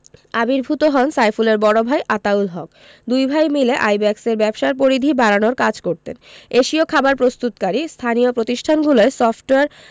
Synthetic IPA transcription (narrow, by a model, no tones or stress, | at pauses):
abiɾbʱut̪oɦɔnsajfuleɾbɔɽobʱajʔat̪aulɦɔk̚ | d̪ujbʱajmileʔajbɛkseɾbɛbʃaɾp̬oɾid̪ʱibaɾanoɾkad͡ʑkoɾt̪ḛneʃiokʰabaɾpɾost̪ut̪kaɾist̪ʰanijopɾot̪iʃʈʰanɡuloesɔfʈoeaɾ